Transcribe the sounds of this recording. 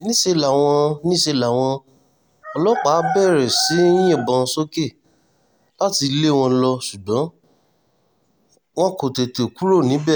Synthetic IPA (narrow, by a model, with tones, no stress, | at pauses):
nĩ˦ʃe˧la˨w̃ɔ̃˧nĩ˦ʃe˧˨la˨w̃ɔ̃˧ | ɔ˧lɔ˦k͡pa˨˦bɛ˦˨ɾɛ˨sĩ˨˦jɛ̃˦˨bɔ̃˧˦so˦ke˦˨ | la˦ti˧le˦˨w̃ɔ̃˧˦˧lɔ˧su˨dã˨˦ | w̃ɔ̃˦ko˨te˨te˨ku˦ɾo˦˨nĩ˨˦bɛ˦˨